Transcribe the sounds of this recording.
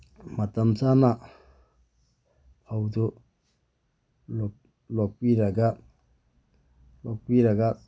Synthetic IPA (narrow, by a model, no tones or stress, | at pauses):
mat̪amsana | awtu | lɔk̚iɾaɡa | lɔk̚wiɾaɡa